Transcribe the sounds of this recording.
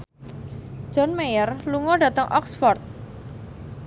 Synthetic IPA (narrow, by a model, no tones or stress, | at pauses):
d͡ʒ̥ɔ̤nmejərluŋɔɖä̤t̪əŋʔɔ̰ksfɔrt̪̚